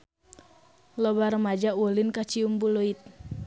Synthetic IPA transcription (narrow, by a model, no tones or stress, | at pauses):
lɔbaɾəmad͡ʒawulɪnkat͡ʃiumbuluit̪̚